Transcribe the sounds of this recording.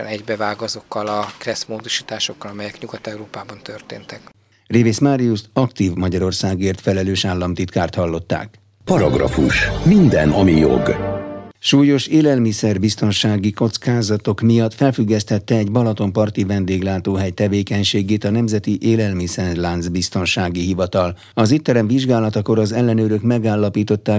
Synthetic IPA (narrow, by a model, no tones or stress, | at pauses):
ɛ̰nɛɟbɛvaːɡɒzo̞kːɒlɒkrɛsmoːd̪o̞ʃi̥ːt̪aːʃo̞kːɒlɒmɛjɛkɲuɡɒt̪ɛuɾoːpaːbɒnt̪ørt̪ḛːnt̪ɛk | revesmaɾijust̪ɒkt̪iːvmɒɟɒɾo̞rsaːɡeːrt̪fɛlɛløːʃaːlːɒmt̪it̪kaːrt̪hɒlːo̞t̪ːa̰ːk | pɒɾɒɡrɒ̰fuʃmind̪ɛnɒmijo̞̰ɡ | ʃuːjo̞ʃeːlɛlmisɛrbist̪o̞nʃaːɡiko̞t̪skaːzɒt̪o̞kmijɒt̪fɛlfyɡːɛst̪ɛt̪ːɛːɟbɒlɒt̪o̞mpɒrt̪ivɛnd̪eːɡlaːt̪oːɦɛjt̪ɛveːkɛɲʃeːɡeːt̪ɒnɛmzɛt̪iʔeːlɛlmisɛrlanzbist̪o̞nʃaːɡiɦivɒt̪ɒl | ɒzit̪ːɛɾɛɱviʒɡaːlɒt̪ɒko̞ɾɒzɛlːɛnøːɾøkmɛɡaːlːɒpiːt̪o̞t̪ːaː